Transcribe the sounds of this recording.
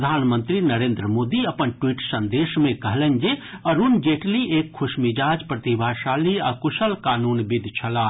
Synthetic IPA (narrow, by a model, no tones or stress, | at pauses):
d̪ʱaːnmə̃nt̪ɾinəɾeːnd̪ɾəmoːd̪iɐpənʈwiːʈsə̃nd̪eːʃmẽkɐɦlənd͡ʒeɐɾunɡeːʈlieːkʰːʊʃmɪd͡ʒaːd͡ʒpɾət̪ibʱaːʃaːliakʊʃəlkaːnuːnbɪd̪ʱt͡ʃʰɐlaː